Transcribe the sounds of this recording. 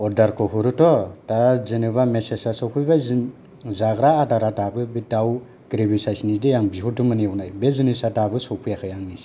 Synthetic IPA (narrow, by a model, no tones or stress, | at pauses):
ɔdaɾkʰɔɦuɾɯtɔtazɯnɯβamesesasɔwpʰujbaz | zaɡɾaːdaɾatabɯbidaw | ɡ̥ɾebisajsnidejaŋbiɦutumɯniawnajbezɯnisatabɯsɔwpʰujakʰɯjaŋnis